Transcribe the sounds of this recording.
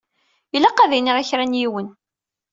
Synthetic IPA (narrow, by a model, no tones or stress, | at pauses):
ilæqːæðijniʁæçɾænjiwən